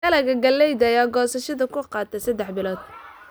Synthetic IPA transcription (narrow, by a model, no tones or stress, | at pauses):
ɐlɐɣɐɡɐlːɛjd̪ɐːjaːɡɔːsɐʃɐðɐkʰʊqɑːt̪ʰɐsɐd̪ɛħbɪlɔːd̪̥̚